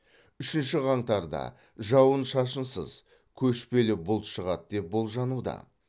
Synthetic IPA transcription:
ʏʃɪnʃɪʁɑɴt̪ɑɾd̪ɑ̰ | ʒɑwənʃɑʃənsə̰z̥ | kʲʰɵʃpe̞lɪbʊlˠt̪ʃəʁɑt̪̚d̪e̞p̚bo̞lˠʒɑnud̪ɑ̰

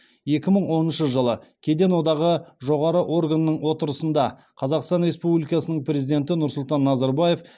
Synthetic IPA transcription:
je̞kʲɪməɴwo̞nənʃəʒəlˠəkʲʰe̞d̪e̞nwo̞d̪ɑʁəʒo̞ʁɑɾəʔo̞rɡanːəɴwo̞t̪əɾəsənd̪ɑ | qʰɑzɑqst̪ɑnɾe̞spublijkɑsənəɴpɾʲe̞zijd̪e̞nt̪̬ɪnʊɾsʊlˠt̪ɑnːɑzɑɾbaje̞f

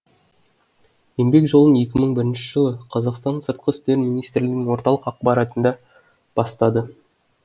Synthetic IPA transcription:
je̞mbe̞kʒo̞lˠənje̞kʲɪməɴbɪɾɪnʃɪʒəlˠəqʰɑzɑqst̪ɑnsəɾt̪̚qəɪst̪e̞ɾmijnijst̪rlɪɡ̪nɪŋwo̞ɾt̪ɑlˠəqɑq̚bɑɾɑt̪ənd̪ɑ | b̥ɑst̪ɑd̪ə

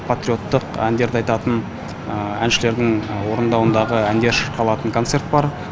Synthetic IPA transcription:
pʰat̪ɾʲio̞t̪ːəqæ̰nd̪e̞ɾd̪eɑjt̪ɑt̪ən | əænʃɪle̞ɾd̪ɪŋwo̞ɾənd̪ɑwənd̪ɑʁəænd̪e̞ɾʃəɾqʰɑlˠɑt̪əŋkʰo̞nt̪se̞ɾt̪bɑɾ

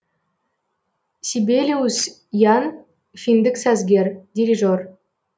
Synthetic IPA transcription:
sʲibʲelʲius | jɑn | fʲind̪ɘ̆ksæzɡʲerʲdʲiɾʲiʐor

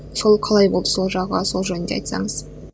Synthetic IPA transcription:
so̞lˠqʰɑlˠɑjbo̞lˠd̪əso̞lˠʒɑʁə̰so̞lˠʒɵnnd̪ḛɑ̰jt̪sɑ̰ɴəz̥

